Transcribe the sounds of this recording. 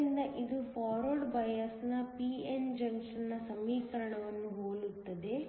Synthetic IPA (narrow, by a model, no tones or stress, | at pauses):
ind̪ɐʔid̪upʰaːɾoːɖbɐjɐsnɐpiend͡ʒɐŋksɐnːɐsɐmːiːkɐɾɐɳɐʋɐnːuɦoːɭut̪ːɐd̪e̞